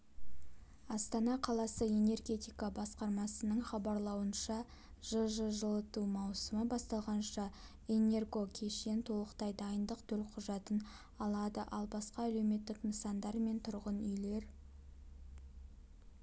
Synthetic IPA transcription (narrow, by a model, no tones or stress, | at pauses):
ɑst̪ɑnɑqʰɑlˠɑsəe̞ne̞rɡʲe̞t̪ijkɑbɑsqɑɾmɑsənəɴχɑbɑɾlˠɑwənʃɑ | ʒ̥əʒəʒəlˠət̪umɑwsəməbɑst̪ɑlˠʁɑnʃɑ | e̞ne̞rɡo̞kʲʰe̞ʃe̞nt̪ʰo̞lˠəqt̪ɑjd̪ɑjənd̪əqt̪ʰɵlqʰʊʒɑt̪ən | ɑlˠɑd̪əʔɑlˠbɑsqɑæle̞wme̞t̪ːɪknəsɑnd̪ɑɾme̞nt̪ʰʊɾʁənʏjle̞ɾ